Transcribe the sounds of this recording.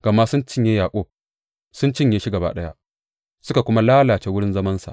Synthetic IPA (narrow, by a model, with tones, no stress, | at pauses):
ɡ̥a˨ma˦sʊ˦nt͡ʃɪ˦ɲjeː˦jaː˨kʷʼoː˦ | sʊ˦nt͡ʃɪ˦ɲjeː˦ʃi˦ɡɐ˨ba̰˦ɗɐ˦ja̰˦ʔ | sʊ˦ka˨kʷʊ˦ma˦laː˦laː˨t͡ʃe˦wʊ˦ɽɪ˦nzɐ˦mɐ˦nsa̰˨ʔ